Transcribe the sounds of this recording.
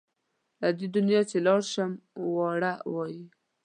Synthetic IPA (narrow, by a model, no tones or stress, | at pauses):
lad̪ed̪ʊnjɑt͡ʃelɑɽʃəmwɑɽawɑji